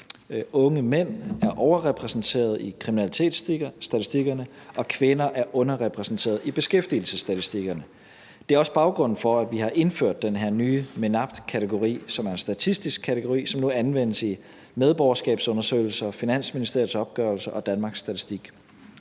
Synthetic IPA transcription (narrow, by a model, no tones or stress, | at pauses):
ɔ̽ŋəmen̰æɐʔɒʊɐʁɛpʰʁɛsn̩t͡sʰe̝̰ːɐð̞̩ˠikʰʁiminælit͡sʰe̝̰d̥æt͡sʰisd̥iɡ̥ɐnə | ʔɒ̽kʰʋe̝nɐʔæɐʔɔ̽nɐʁɛpʰʁɛsn̩t͡sʰe̝̰ːɐðˠib̥e̝sɡ̥efd̥il̩səsːd̥æt͡sisd̥iɡ̥ɐnə | d̥e̝æɐɒ̽səb̥ɑ̈ʊɡ̥ʁɔ̽n̰n̩fɒ̽æʋihɑ̈ʔe̝nføɐ̰d̥ːenɦeɐ̰nyːme̝nɑ̈b̥̚d̥kʰæt͡sʰeɡ̥o̝ʁḭːsɒ̽mæɐe̝nsd̥æt͡sʰisd̥isɡ̥̚kʰːæt͡sʰeɡ̥o̝ʁḭːsɒ̽mnuænʋen̰əsi | með̞ˠb̥ɒʊɐsɡ̥ɛ̰ːb̥sɔ̽nɐsø̰ɪl̩sɐfinæn̰sminisd̥eɐ̰ð̩ˠsɒ̽b̥̚ɡ̥œɐlsɐʔɒ̽d̥ænmɑ̈ːɡ̥sd̥æt͡sʰisd̥iɡ̥